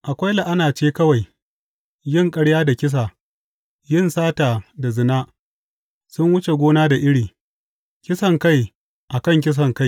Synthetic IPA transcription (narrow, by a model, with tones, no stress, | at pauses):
ʔa˨kʷa˦jla˨ʔa˦naː˨t͡ʃeː˦kɐ˦wa˨j | jɪ˦˨ŋkʼɐ˦ɽjaː˦da˨kʲɪ˦s̬a˨ | jɪ˦˨nsaː˦taː˨da˨zɪ˨naː˦ | sʊ˦ŋwʊ˦t͡ʃe˨ɡʷoː˦naː˦da˨ʔɪ˦ɽiː˨ | kʲɪ˦sɐ˨ŋka˦j | ʔa˨kɐ˦˨ŋk̬ʲɪ˦s̬ɐ˨ŋka˦j